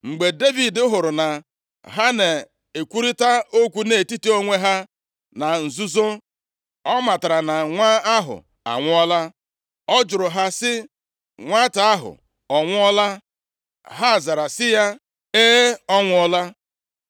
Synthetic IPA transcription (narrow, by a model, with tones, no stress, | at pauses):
ŋ͡m̩˨ɡ͡be˨de˦vi˨dʊ˦ɦʊ˨ɾʊ˨na˨ | ɦa˦ne˨ | e˨kʷu˦ɾi˦ta˦o˦kʷu˦ne˨ti˦ti˦o˦ŋʷe˦ɦa˦ | na˨n̩˨zu˦zo˦ | ɔ˦ma˨ta˨ɾa˨na˨ŋʷa˦a˦ɦʊ̰˨ | a̰˨ŋʷʊ˦ɔ˦la˦ | ɔ˦d͡ʒʊ˨ɾʊ˨ɦa˦sɪ˦ | ŋʷa˦ta˨a˦ɦʊ̰˨ | ɔ˨ŋʷʊ˦ɔ˦la˦ | ɦa˦˨za˨ɾa˨sɪ˦ja˦ | e˦ɔ˦ŋʷʊ˦ɔ˦la˦